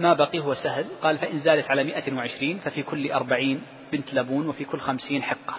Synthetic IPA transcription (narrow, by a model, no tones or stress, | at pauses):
mabɑqiːɦʊwasahlqɑːlfaʔɪnzaːd̪at̪ʕalamɪʔawɪʕɪʃɾiːnfafiːkʊlːʔɑɾˤbaʕiːn | bɪnt̪labuːnwɪfiːkʊlːxamsiːnħɪqːɑ̥